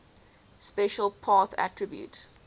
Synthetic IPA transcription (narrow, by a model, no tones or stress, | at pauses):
spɛʃəlˠpʰɑːˑθæ̰tʰɹəbjṵt